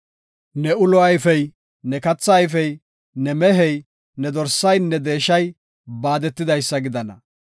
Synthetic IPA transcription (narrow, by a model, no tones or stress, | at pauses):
nɛʊlɔɐjfɛj | nɛkɐt͡sːɐːjfɛj | nɛmɛɦɛj | nɛd̪ɔɾsɐjnːɛd̪e̞ːʃɐj | baːd̪ɛt̪ːɪd̪ɐjsːɐɡɪd̪ɐnɐ̰